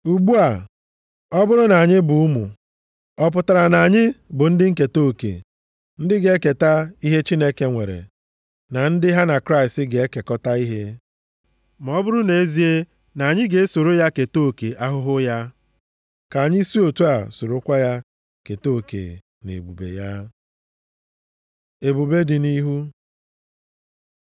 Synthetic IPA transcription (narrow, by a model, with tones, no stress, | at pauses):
u˨ɡ͡bu˦a˨ | ɔ˦bʊ˦ɾʊ˦na˨ɲɪ˦bʊ˨ʊ˦mṵ˨ | ɔ˦p̬ʊ˨ta˨ɾa˨na˨ɲɪ˦bʊ˨n̩˦dɪ˦ŋ̩˦ke˨to˦˨kḛ˨ | n̩˦dɪ˦ɡe˨˦ke˨ta˦i˦ɦe˦t͡ʃi˦ne˦ke˦ŋʷḛ˨ɾḛ˨ | na˨n̩˦dɪ˦ɦa˦na˨kɾa˦ɪ˨stɪ˦ɡe˨e˦ke˨kɔ˦ta˦i˦ɦe˦ | mɔ˨ɔ˦bʊ˦ɾʊ˦ne˨e˦zi˦e˦ | na˨a˨ɲɪ˦ɡe˨e˦so˨ɾo˦ja˦ke˨to˦˨ke˨ʔa˦ɦʊ˦ɦʊ˦ja˦ | ka˨ɲɪ˦si˦o˨tu˦a˨so˨ɾo˦kʷa˦ja˦ | ke˨to˦˨kḛ˨ | nḛ˨bu˨bḛ˨ja˦ | e˨bu˨be˦dɪ˨ni˦ɦu˦